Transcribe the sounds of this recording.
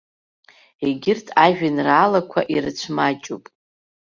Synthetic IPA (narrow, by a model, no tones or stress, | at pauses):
eɡʲɪrtʰʼaʒᶣɪnraːlakʷʰaʔirɨt͡ʃʷʰmat͡ʃʼupʼ